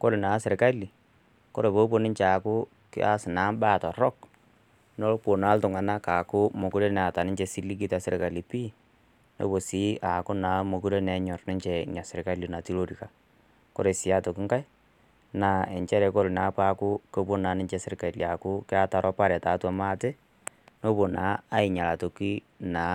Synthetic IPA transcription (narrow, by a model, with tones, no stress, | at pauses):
ko˦lna˨˦sɪ˨ɾka˦li˨ | ko˦ɾe˨po˦po˦nɪ˦ɲt͡ʃe˨a˨kʊ˦ | kɪ̰˦a˦sɪ˨na˨˦mba˦˨tɔ˨rɔ˦k | no˦lpo˨na˦ltʊ˨ŋa˨na˦ka˨kʊ˦mo˨ku˦ɾe˦nɛ˨a˨ta˨nɪ˦ɲt͡ʃe˦si˦li˦k̬i˦ta˨se˦ɾɪ˨ka˨li˨pi˦ | no̰˨˦bo˨si˦ʔa˨kʊ˦na˨˦mo˨ku˦ɾe˦nɛ˨˦ɲɔ˨rnɪ˦ɲt͡ʃɛ˨ɲa˨sɪ˨ɾɪ˨ka˦li˨na˨ti˦lo˦ɾi˨ka˨ | ko̰˦ɾe˨sɪ˨a˦to˨ki˦ŋka˦j | na˨ɛ˨ɲt͡ʃɛ˦ɾɛ˨ko˦ɾna˨˦pa˦kʊ˦ko˦bo˦na˨˦nɪ˦ɲt͡ʃe˦sɪ˦ɾɪ˦ka˨lja˨kʊ˦kɪ˦a˦ta˨ɾʔɔ˦pa˦ɾa˨ta˨˦twa˦ma˦te˦ | no˦bo˨na˨˦a˦ɪ˨ɲa˨la˨to˨ki˦ | na˨